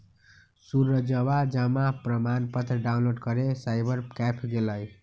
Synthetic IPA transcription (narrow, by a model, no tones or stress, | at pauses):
surːʌd͡zʌwad͡ʒamaprʌmanpʌt̪rʌɖawnloɖkʌɾesajbʌɾkapʰɡelʌj